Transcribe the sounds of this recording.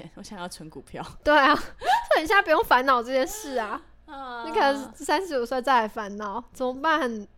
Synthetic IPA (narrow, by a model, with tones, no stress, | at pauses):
ɛ˦nwɔ˧˦ɕjɑ˨˩ŋjɑ˥˩ʊʈ͡ʂʰə˧˥ŋku˨˩pʰjɑ̰˥˨ʊt̪we˥˩ɪa˨˩so˥˩ə˨˩nɕ̬ja˥˩pu˨˩˥jo˥˩ŋfa˧˥nnɑ˨˩ʊʈ͡ʂɤ˥˧t͡ɕjɛ˥˧nʂɻ̩˥˩a˩ | i˥˩kʰa˨˩nə˧˥˦sa˥nʂɻ̩˧˥t͡ɕju˨˩swa˥˧ɪt͡sa˥˩ɪa˨˩fa˧˥nnɑ˨˩˦ʊt͡sʰo˨˧˥pa˥˧˥n˨˩n